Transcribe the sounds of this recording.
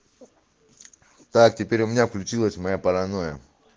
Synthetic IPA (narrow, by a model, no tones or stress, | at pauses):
t̪ak̚tʲɪpʲeɾʲʊmɪnʲafklʲut͡ʃilˠəsʲmɐjapɐlɐnojə̰